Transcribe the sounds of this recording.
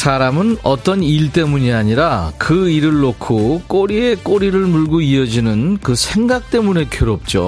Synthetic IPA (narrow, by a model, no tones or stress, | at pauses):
sʰaɾamɯnʌt͈ʌniɭt͈e̞muɲiaɲiɾakɯiɾɯɭːokʰok͈oɾie̞k͈oɾiɾɯɭmuɭɡoiʌd͡ʑinɯnkɯsʰe̞ŋɡak̚t͈e̞mune̞kʰjʌɾop̚t͡ɕ͈o̰